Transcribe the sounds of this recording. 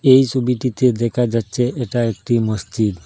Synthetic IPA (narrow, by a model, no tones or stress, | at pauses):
ejt͡ɕʰubiʈit̪ed̪ɛkʰad͡ʑatːɕʰeʔeʈaek̚ʈimosd͡ʑid̪